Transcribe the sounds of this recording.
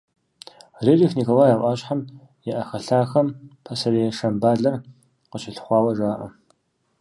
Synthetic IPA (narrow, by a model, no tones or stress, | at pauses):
rerixnikɐwaːjaːʔʷʼaːɕħam | jɛʔɐxɐɬaːxɐmpʰɐsɐɾeːʂɐmbaːɮɐr | qəɕɪɬχʷɑːwɐʐaːʔɐ̰